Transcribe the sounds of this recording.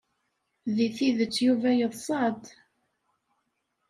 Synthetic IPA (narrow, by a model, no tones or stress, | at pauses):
ðiθiðət͡sːjuvæjəðˤsˤɑd̪